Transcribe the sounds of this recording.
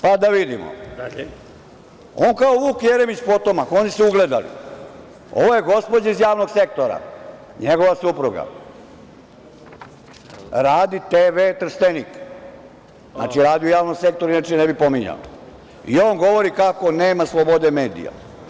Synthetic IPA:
pad̪aʋid̪imo̰ | oːnkaoʋuːkjeɾemit͡ɕpo̞t̪o̞mako̞nisuuɡle̞d̪a̰lḭ | o̞̰ʋo̞je̞ɡo̞spo̞d͡ʑaizjaːʋno̞ɡse̞k̚t̪oɾa̰ | ɲeɡo̞ʋasupɾuɡa̰ | ɾaːd̪it̪eːʋet̪r̩ʃt̪enik | na̰ːt͡ʃiɾaːd̪iujaːʋnoɡse̞k̚t̪o̞ɾainat͡ʃenɛbipo̞miɲa̰o̰ | io̞ːnɡo̞ʋo̞ɾikako̞neːmaslˠobo̞d̪e̞me̞ːd̪ḭja̰

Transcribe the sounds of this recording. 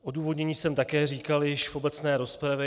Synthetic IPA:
ʔo̞duːvo̞dɲɛɲiːsɛmt̪akɛːriːkaljɪʃfo̞bɛt͡snɛːɾo̞spɾavɛ

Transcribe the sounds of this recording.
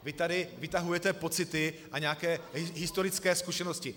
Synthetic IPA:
vɪt̪adɪvɪt̪aɦujɛt̪ɛpo̞t͡sɪt̪ɪʔaɲɛakɛːɦɪst̪o̞ɾɪt͡skɛːskuʃɛnoscɪ

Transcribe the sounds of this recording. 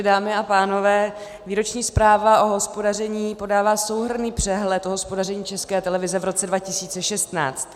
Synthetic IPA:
daːmɪapaːno̞vɛː | viːɾo̞t͡ʃɲiːspɾaːvaʔo̞ɦo̞spo̞darɛɲiːpo̞daːvaːso̞wɦr̩niːpr̝̥ɛɦlɛt̪oɦospodarɛɲiːt͡ʃɛskɛːt̪ɛlɛvɪzɛvɾo̞t͡sɛdvacɪsiːt͡sɛʃɛst̪na̰ːt͡st̪

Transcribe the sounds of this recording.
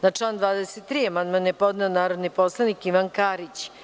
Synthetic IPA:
nat͡ʂlˠaːnd̪ʋaːd̪eset̪ːɾiamand̪manjepo̞d̪nɛonaːɾod̪nipo̞slˠanikiʋankaːɾit͡ɕ

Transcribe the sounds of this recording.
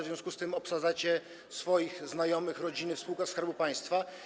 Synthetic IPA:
vzʲjɔ̃skust̪ɘmɔpsad̪zat͡ɕɛ | sfɔjixznajɔmɘxɾɔd͡ʑinɘfspuwkaskaɾbupaj̃st̪fa

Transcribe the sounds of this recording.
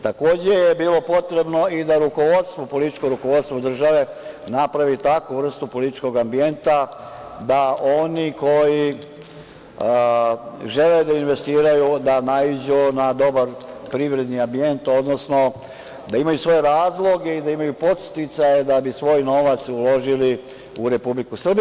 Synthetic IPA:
t̪ako̞ːd͡ʑe̞jebiːlˠo̞po̞t̪ɾe̞bno̞id̪aɾuko̞ʋo̞d̪st̪ʋo̞po̞lit̪i̥t͡ʃkoɾuko̞ʋo̞d̪st̪ʋo̞d̪r̩ʒaʋe̞napɾaʋit̪akuʋr̩st̪upo̞lit̪i̥t͡ʃko̞ɡambie̞nt̪a | d̪aʔo̞niko̞ji | ʒe̞led̪ainʋe̞st̪iːɾajud̪anaid͡ʑunad̪o̞baɾpɾiʋɾe̞d̪niambie̞nt̪o̞d̪no̞sno̞ | d̪aimajusʋo̞jeɾaːzlˠo̞ɡe̞id̪aimajupo̞t̪st̪it̪sajed̪abisʋo̞jno̞ʋat̪sulo̞ʒili | uɾe̞publikusr̩b

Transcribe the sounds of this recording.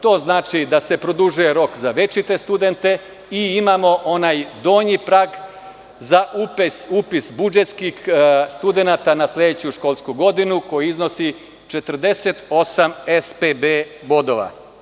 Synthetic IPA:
t̪o̞ːznaːt͡ʃid̪ase̞pɾo̞d̪uʒuje̞ɾo̞kzaʋe̞t͡ʃit̪e̞st̪ud̪e̞nt̪e̞ | iimamo̞ʔo̞najd̪o̞ːɲipɾaːɡ | zaʔupesupisbud͡ʒet̪skixst̪ud̪e̞nat̪anasle̞d̪et͡ɕuʃko̞lˠskuɡo̞d̪inuko̞juizno̞si | t͡ʃe̞t̪əɾ̩d̪e̞set̪o̞samespebebo̞d̪o̞ʋa̰

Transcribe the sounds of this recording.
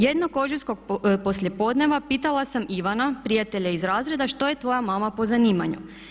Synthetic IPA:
jed̪noko̞ʒisko̞ɡpo̞sʎʲepo̞d̪ne̞ʋapiːt̪alˠasamiʋanapɾijat̪e̞ʎaizɾaːzɾe̞d̪aʃt̪o̞jet̪ʋo̞jamaːmapo̞zaniːma̰ɲṵ

